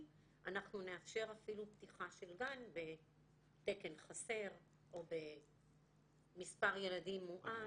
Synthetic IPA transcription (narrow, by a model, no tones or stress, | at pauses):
ʔanaχnune̞afʃe̞ʁafiluptiχaʃe̞lɡanbe̞ | t̪e̞ke̞nχase̞ʁ | ʔo̞be̞ | mispaʁje̞ladimːuʔa